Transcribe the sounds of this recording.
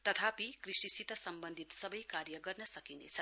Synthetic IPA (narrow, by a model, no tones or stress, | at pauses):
t̪ʌt̪ʰapikrisisit̪ʌsʌmbʌnd̪ʱit̪sʌbʌjkaɾjʌɡʌrnʌsʌkinḛt͡sʰʌ